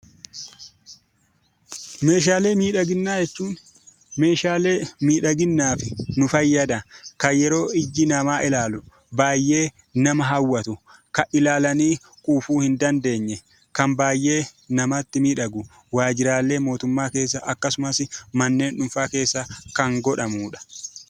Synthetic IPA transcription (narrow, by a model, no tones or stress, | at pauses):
me̞ːʃ̬aːleːmiːᶑɐɡɪnːaːjɛt͡ʃːuːn | me̞ːʃaːle̞ːmiːᶑɐɡɪnːaːfɪnʊfɐjːɐd̪ɐkɐjɛɾo̞ːɪd͡ʒːɪnɐmaːʔɪlaːlʊ | baːjːe̞ː | nɐmɐɦɐwːɐt̪ʊ | kɐʔɪlaːlɐniː | kʼuːfuːhɪnd̪ɐnd̪e̞ːɲːɛ | kɐmbaːjʔe̞ːnɐmɐt̪ːɪmiːᶑɐɡʊ | waːd͡ʒɪɾaːlːe̞ːmo̞ːt̪ʊmːaːke̞ːs̬ːɐʔɐkːɐsʊmɐsɪmɐnːe̞ːnᶑʊnfaːke̞ːsːɐkɐŋɡɔᶑɐmuːᶑɐ̥